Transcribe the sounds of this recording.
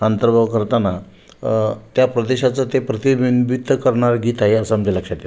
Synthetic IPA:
ənt̪əɾbʱaʋkəɾt̪ana | t̪japɾəd̪eɕat͡sət̪epɾət̪iʋinbit̪ːkəɾɳaɾɡiːt̪aɦeəsaməɳd͡zeləkʂat̪i

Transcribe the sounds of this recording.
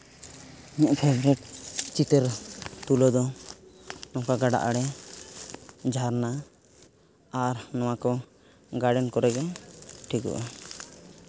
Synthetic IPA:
ɲɛʔpʰɛbɾɛʈt͡ʃit̪ɛɾt̪ulɔd̪ɔ | nɔ̃akaɡaɖa̰ʔaɽɛ | d͡ʒʱaɾna | aɾnɔwakɔ | ɡaɖɛnkɔɾɛɡɛʈʰikɔ̰ʔa

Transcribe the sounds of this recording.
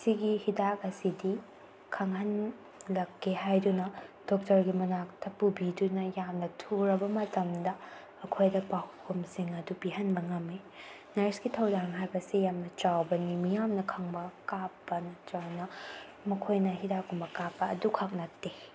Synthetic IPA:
siɡihidak̚ɐsidi | kʰɐŋhɐn | lɐkʰːeɦajdunɐd̥ok̚tɐɾɡimɐnak̚tʰɐpubidunɐjamnɐtʰuɾɐbɐmɐtɐmdɐː | kʰojdɐpahkʰumsiŋɐdupiɦɐnbɐŋɐme | nɐɾsɡitʰɐwdaŋɦajbɐsijamnɐt͡ʃawbɐnimijamnɐkʰɐŋbɐkapːɐnɐt͡ʃawnɐ | mɐkʰojnɐhidak̚umbɐkapːɐːdukʰɐk̚nɐtːe

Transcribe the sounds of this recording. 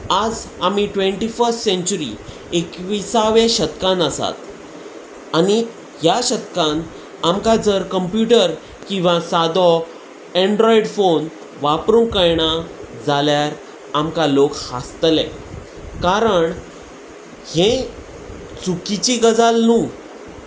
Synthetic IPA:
ad͡zamiʈʋẽɳʈifəɾsʈsẽɲt͡ɕuɾḭ | ekʋisaʋẽɕət̪kãnəsa̰t̪ | ani | ɦjaɕət̪kãn | amkad͡zəɾkəmpjuʈəɾ | kĩw̃ʋãsad̪ɔ | ẽɳɖɾɔiɽfon | ʋapɾũŋkəjɳad͡zaljaɾ | amkalokha̰st̪lɛ̰̃ | kaɾəɳ | hẽ | t͡sukit͡ɕiɡəd͡zalnuː

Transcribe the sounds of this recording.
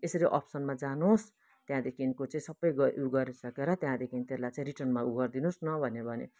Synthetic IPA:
esʌɾiʔʌ̰psʌnmad͡zanos | t̪jãd̪ekʰinkot͡sʌĩsʌbʌjɡʌʔuɡʌɾisʌkeɾʌt̪jãd̪ekʰint̪elajt͡saĩɾiʈʌnmauɡʌrd̪inosnʌbʱʌnebʱʌnḛ

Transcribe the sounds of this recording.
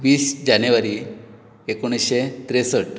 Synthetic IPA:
ʋiːsd͡ʑanjeʋaɾi | ekoɽ̃iɕet̪ɾesəʈ

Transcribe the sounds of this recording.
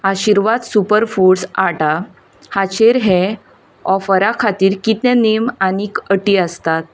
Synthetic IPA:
aɕiɾʋad̪supəɾfuɽsaʈa | hat͡ɕeɾɦɛ̃ | ɔfəɾakʰat̪iːɾkit̪njanemanikəʈiːəst̪at̪̚

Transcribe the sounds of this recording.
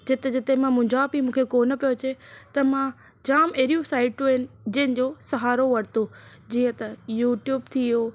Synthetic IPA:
d͡ʑɪt̪ed͡ʑɪt̪emãmʊ̃d͡ʑʱaːpimũːkʰekoːnə̆pijot͡ɕet̪ɐmã | d͡ʑaːmeːɾijũsaːɪʈuɪnɪ̆d͡ʑɐ̃ɦɪ̃nɪ̆d͡ʑoːsɐɦaːɾoʋɐɽt̪o | d͡ʑiːə̃t̪ɐjuːʈjuːbt̪ʰioː

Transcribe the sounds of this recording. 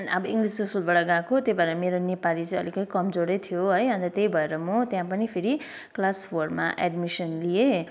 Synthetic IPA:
nʌbʌiŋɡliskosulbʌɽaɡãkot̪jebaɾeɾmeɾonepalit͡sʌ̃ĩʌlikʌt̪ĩkʌmd͡zoɽet̪ʰijoɦʌjɦʌ̃nt̪ʌt̪ejbʱʌeɾʌmot̪jãpʌnipʰiɾi | klaspʰorma̰ʔeɖmisʌnlije

